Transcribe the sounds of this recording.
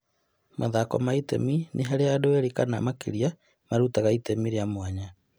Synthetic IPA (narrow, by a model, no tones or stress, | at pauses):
maðakɔmaitḛmineɦaɾeadoeɾikana̰makḭɾia | maɾutaɣaitemiɾeamwaɲa